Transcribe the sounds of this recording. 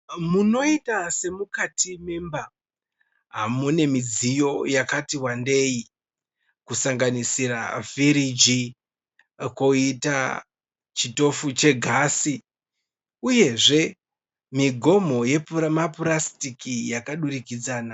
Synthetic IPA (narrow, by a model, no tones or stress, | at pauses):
muno̞itase̞mukatime̞mba | ɦamune̞mid͡zijo̞jakatiwande̞i | kusaŋɡanisiɾa̰viɾid͡ʒi | koita | t͡ʃito̞fut͡ʃe̞ɡʱasi | uje̞ʐe̞ | miɡʱo̞mo̞je̞pmapurastikijakaɗurikid͡zaːna